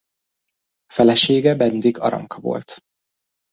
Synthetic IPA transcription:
fɛlɛʃeːɡɛbɛnd̪iɡɒ̰ɾɒ̰ŋkɒvo̞̰lt̪

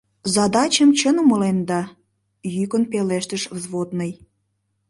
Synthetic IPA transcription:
zɑd̪ɑt͡ɕəmt͡ɕənuməlend̪ɑ | jykənpeleʃt̪əʃvzβod̪nəj

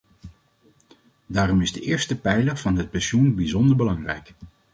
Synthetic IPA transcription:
daːrɔmɪzdəʔɪːɹstəpɛjləv̥ɑnɦət̚pɛnʃunbizɔndəɹbəlɑŋrɛjk

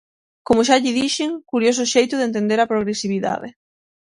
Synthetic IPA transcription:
komʊʃ̬aʎɪðiʃɪŋkuɾjos̬ʊʃejt̪ʊðent̪ẽnd̪eɾɐpɾoɣ̞ɾesiβ̞iða̰ðɪ̰

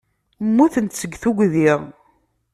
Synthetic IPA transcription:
mːuθənt̪t͡sːəɡθuɡʷðiʁ

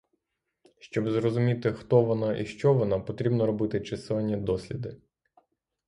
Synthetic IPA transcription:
ʃt͡ʃɔbzrɔzʊmʲit̪ɪxt̪ɔʋɔnɑʔiʃt͡ʃɔʋɔnɑpɔt̪ɾʲibnɔɾɔbɪt̪ɪt͡ʃɪsɪɐnʲːɐd̪ɔsʲlʲid̪ɪ

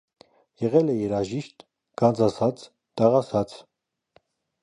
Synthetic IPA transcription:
jɛʁɛlɛjɛɾɑʒiʃt̪ | ɡ̥ɑnd͡zɑsɑt͡s | t̪ɑʁɑsɑt͡s

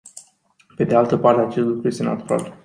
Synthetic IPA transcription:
pe̞d̪ealt̪əpart̪eat͡ʃe̞st̪lukɾuje̞st̪e̞na̰t̪uɾa̰l

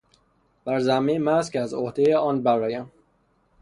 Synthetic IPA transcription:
b̥æɾzæmːemæskʰʲæzohd̪ejeɒːnbæɾɒːjæm

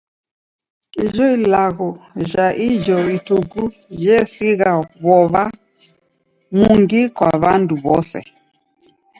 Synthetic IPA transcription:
iʒɔilaɣɔʒaʔid͡ʒɔituku | ʒɛsiɣaβɔβa | muŋɡikwa̰βanduβɔsɛ̰

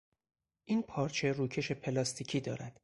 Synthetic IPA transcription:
ʔiːnpʰɒːɾt͡ʃʰe̞ruːcʰe̞ʃe̞pʰe̞lɒːst̪ʰiːcʰiːd̪ɒ̰ːɾæd̪̥

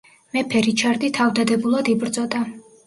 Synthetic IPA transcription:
mɛpʰɛɾit͡ʃʰaɾd̪it̪ʰavd̪ad̪ɛbulˠad̪ibɾd̪zʼɔd̪a

